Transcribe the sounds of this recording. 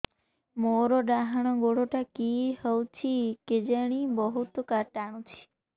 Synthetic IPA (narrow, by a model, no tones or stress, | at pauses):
moɾoɖaɦɽ̃ɔɡoɽoʈakihəwt͡ʃʰiked͡ʒeɽ̃ibəɦut̪kaɾʈaɽ̃ũt͡ʃʰi̥